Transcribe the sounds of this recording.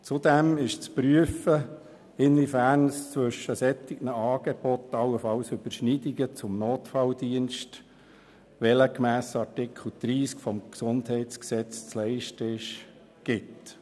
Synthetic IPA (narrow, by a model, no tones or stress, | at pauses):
t͡sʊd̪ɛmɪʃt͡spɾyəfə | ɪnvifærnst͡sʋɵʃəsɛt̪iɡ̥nəɑːɡ̥eb̥ɔt̪ɑwəfɑlsʏbəɾʃnidiɡət͡sʊmnoːt̪fɑld̪iənʃt | ʋɛləkmæːsɑrtɪkʰχl̩d̪̥ɾiːskfɔmksʊndhɛɪtt͡sksɛt͡st͡slɛɪʃtəɪʃ | ɡ̥ɪt